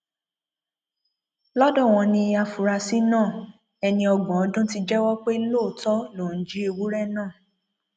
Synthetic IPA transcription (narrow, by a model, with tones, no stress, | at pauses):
lɔ˦dɔ̃˦˨w̃ɔ̃˧nĩ˧a˧fu˨ɾa˧si˦nãː˦˨ | ɛ˧nĩ˧ɔ˧ɡɔ̃˨ɔ˨˦dũ˦ti˧˦d͡ʒɛ˦wɔ˦k͡pe˦loː˦˨tɔ˦lo˨n̩˨˦d͡ʒi˦e˧wu˦ɾɛ˦˨nãː˦˨